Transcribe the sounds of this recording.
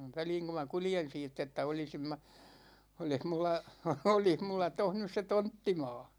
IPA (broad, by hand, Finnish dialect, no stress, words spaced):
ʋæliːŋ ku mɑ kuljen siːtː etːæ olisim mæ olih mulːɑ olih mulːɑ toh nys se tontːimɑ̝ː